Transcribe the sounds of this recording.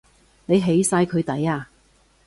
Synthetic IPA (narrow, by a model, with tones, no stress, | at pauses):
ne˨˧jɦe˨˥jsaː˧jkʰɵ˨˧ɥt̪ɐ˨˥jaː˧